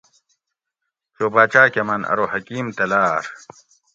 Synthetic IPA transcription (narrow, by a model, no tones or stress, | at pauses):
t͡ɕoːbaːt͡ɕaːkemɐnɐ̰ɾohɐkiːmt̪ɐlaːɾ